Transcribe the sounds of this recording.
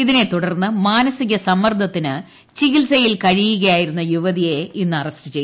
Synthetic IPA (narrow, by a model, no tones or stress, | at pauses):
iðine̞t̪uɽɐrnːɨmaːnɐsiɣɐsɐmːɐrd̪ʱɐt̪ːinɨ | t͡ɕiɣilsɐjilkɐɻijuɣɐjaːjiɾunːɐjuʋɐðijeinːɨɐrɐsʈɨt͡ɕejː